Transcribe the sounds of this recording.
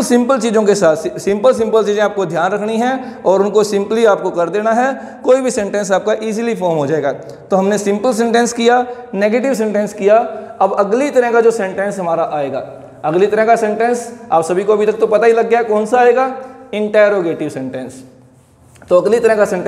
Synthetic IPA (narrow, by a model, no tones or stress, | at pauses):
sɪ̃mpəlt͡ʃiːzõkesaːt̪sɪ̃mpəls̬ɪ̃mpəlt͡ʃiːzẽaːp̚kod̪ʱjaːnɾɐkʰniɦɛ̃ɔːɾʊnkosɪ̃mpliaːp̚kokɐɾd̪eːnaɦɛ | koːibʱisɛ̃ɳʈɛ̃ns̬aːp̚kaʔiːzilifɔːɾmɦod͡ʒaːeːɡaː | t̪oɦɐmnesɪ̃mpəls̬ɛ̃ɳʈɛ̃nskija | neːɡeːʈ̬ɪʋs̬ɛ̃ɳʈɛ̃nskijaɐbɐɡlit̪ɐɾɛ̃kad͡ʒoːsɛ̃ɳʈɛ̃nsɦɐmaːɾaʔaːeːɡa̰ː | ɐɡlit̪ɐɾɛ̃kasɛ̃ɳʈɛ̃nsaːpsɐbʱikoɐbʱit̪ɐk̚t̪opɐt̪aɦilɐɡːjaɦɛkɔːnsaːeːɡaːɪ̃ɳʈɛːjɾoːɡeːʈɪʋsɛ̃ɳʈɛ̃ns | t̪oɐɡlit̪ɐɾɦɛ̃kasɛ̃ɳʈ